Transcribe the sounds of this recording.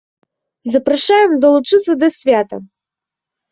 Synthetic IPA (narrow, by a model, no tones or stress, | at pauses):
zɐpɾɐʂajɛmd̪ɐlˠut͡ʂɨt̪sɐd̪ɐsʲvʲat̪ɐ̰